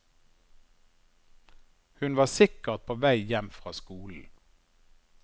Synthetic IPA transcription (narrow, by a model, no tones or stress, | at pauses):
hʉnʋɑːsɪkəʁt̪̚pʰoːʋæɪjɛmfʁɑːskuːln̩